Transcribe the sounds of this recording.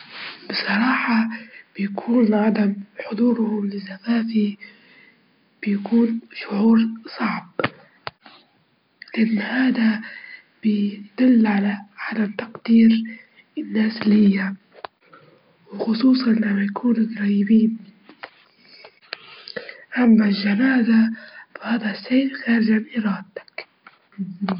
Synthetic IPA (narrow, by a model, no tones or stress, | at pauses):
bɪsˤɑɾˤɑːħɑb̥ɪjakʰuːnʕad̪amħʊd̪ˤuːɾhʊmlɪzafaːfi | b̥ɪjakʰuːnʃʊʕuːɾsˤɑʕb | lɪʔanːhaːd̪a | b̥ɪd̪̥ʊlːʕalaʕad̪amt̪ɑqd̪iːɾ | ɪnːaːslɪjːa | wxʊsˤuːsˤɑnʔlamajkʰuːnakɾˤɑːjɪbiːn | ʔamːalʒːanaːzafahaːd̪aseːlxaːɾɪʒʕanʔiɾɑːd̪t̪ḁk